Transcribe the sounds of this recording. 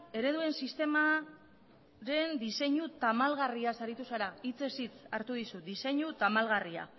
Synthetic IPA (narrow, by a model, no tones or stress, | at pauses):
e̞ɾe̞ðue̞nsist̪e̞ma | ɾe̞nd̪ise̞ɲut̪amalɣariasaɾit̪usaɾait͡se̞sit͡saɾt̪uð̞isud̪ise̞ɲut̪amalɣaria̰